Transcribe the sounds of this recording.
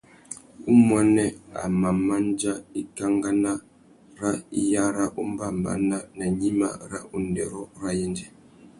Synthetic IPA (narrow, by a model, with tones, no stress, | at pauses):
u˦mwɛ˦nɛ˦a̰˨ma˨ma˦nd͡ʒa˦i˦ka˦ŋɡa˦na˦ | ɾa˦ḭ˦ja˦ɾa˦ʔu˦m˦ba˦˨mba̰˨na˦na˨ɲi˦ma̰˦ɾa̰˦ʔu˨ndɛ˨ɾɔ˦ɾa˦jɛ˦nd͡ʒɛ˨